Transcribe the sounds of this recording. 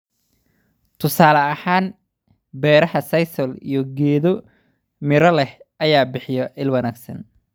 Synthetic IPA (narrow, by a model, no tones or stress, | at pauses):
t̪ʰʊsaːlɐɐhaːn | bɛːɾɐhɐsɐjsɔlḭjɔɡɛːðɔ | mɪɾɐlɛhʔɐjaːbɪħɪjɔʔɪlwɐnaːɡsɐ̰n